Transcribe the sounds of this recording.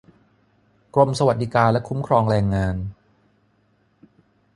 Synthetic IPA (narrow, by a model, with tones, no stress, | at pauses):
kɾo˧msa˧wa˨˩t̪̚di˦kaː˧nlɛ˦˥kʰu˦˥mkʰɾɔː˧ŋɾɛː˧ŋːaː˧n